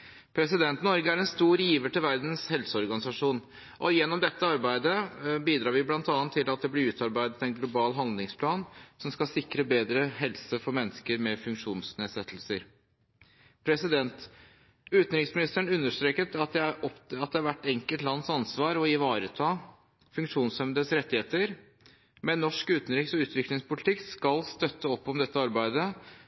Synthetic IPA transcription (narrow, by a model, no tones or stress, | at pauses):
pʰɾɛs̬ɪd̪ɛnt̪nɔɾɡəæɾɛnst̪uːɾjiːʋəʈ̪ɪlʋæɾd̪n̩shɛlsəɔɾɡɑnɪsɑʂuːn | ʔɔjɛnːɔmd̪ɛt̪ːəɑɾbæɪd̪əbiːd̪ɾɑːɾʋɪblɑnt̪ɑːɑnt̪ʰːɪlɑt̪̚d̪ɛblɪɾʉːt̪ʰɑɾbæɪd̪ət̪ɛnɡlʊbɑːlɦɑnd̪lɪŋspʰlɑːnsɔmskɑsɪkɾəbeːd̪ɾəɦɛlsəfɔɾmɛnːəskəɾmɛfʉŋkʂuːnsneːd̪sɛt̪ʰːəlsəɾ | pʰɾɛsɪd̪ɛnt̪ | ʉːt̪n̩ɾɪksmɪnɪst̪əɳʉnːəʂt̪ɾeːkət̪ɑt̪d̪æɔpɑt̪̚d̪ɛɑɾʋæʈːɛŋkəlt̪lɑnːsɑnsʋɑːɾɔɪʋɑːɾət̪ʰɑː | fʉŋkʂuːnsɛmd̪əsɾɛt̪ːɪheːt̪əɾ | mɛnːɔʂkʉːt̪n̩ɾɪksɔʉːt̪ʋɪklɪŋspʊlɪt̪ʰɪkskɑlst̪œt̪ːəɔpːɔmd̪ɛt̪ːəɑɾbæɪd̪ə